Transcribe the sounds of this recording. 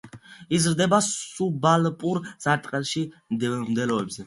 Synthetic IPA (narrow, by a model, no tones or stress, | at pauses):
izɾd̪ɛbasubalpʼuɾz̥aɾt̪ʼqʼɛlʃimd̪ɛlɔɛbzɛ